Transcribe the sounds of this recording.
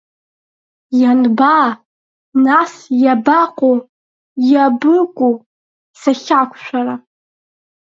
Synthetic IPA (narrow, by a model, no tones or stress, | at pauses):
janbaː | nasjabaqʼo | jabɨkʷʼu | saxʲakʷʰʃʷᶣara